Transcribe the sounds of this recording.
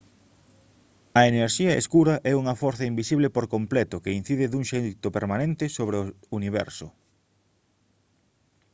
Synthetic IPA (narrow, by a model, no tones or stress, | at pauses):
ɐeneɾʃiɐḛskuɾɐʔɛuŋɐfɔɾθɐimbisiβlepoɾkomplɛt̪ʊkein̟θiðɪðuŋʃet̪ʊpeɾmanẽnt̪ɪsoβ̞ɾeo | uniβ̞ɛ̰ɾsʊ